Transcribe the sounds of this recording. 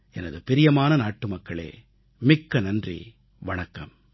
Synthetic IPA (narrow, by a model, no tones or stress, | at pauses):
ɛnɐðɯpɪɾɪjɐmaːnɐnaːʈːɯmɐkːɐɭḛː | mɪkːɐnɐndrḭ | ʋɐɳɐkːɐm